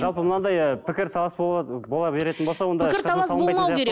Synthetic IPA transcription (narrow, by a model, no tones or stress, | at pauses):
ʒɑlˠpəmənɑd̪ɑjəpʰɪkʲɪɾt̪ʰɑlˠɑsbo̞lˠɑbe̞ɾe̞t̪ɪnbosɑwo̞nd̪ɪɪɾɑɑlˠmmɑjmɑeɾe